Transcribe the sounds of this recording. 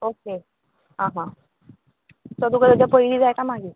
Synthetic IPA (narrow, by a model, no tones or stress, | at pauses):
oke | ɦãɦã | sɔd̪ukəd̪əd͡ʑapəiliːd͡zajkamaɡiː